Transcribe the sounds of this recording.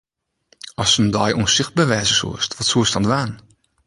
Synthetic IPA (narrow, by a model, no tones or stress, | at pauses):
ɔsəndɔjuənsɪxt̚baːʋɛːzəsṵəstʋɔtsuəstɔnʋaːn